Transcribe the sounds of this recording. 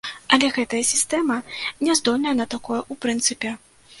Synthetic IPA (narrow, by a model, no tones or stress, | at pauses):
ɐlʲɛɣɛt̪ɐjɐsʲist̪ɛmɐnʲɛzd̪ɔlʲnɐjɐnɐt̪akɔjɐʔupɾɨnt̪sɨpʲɛ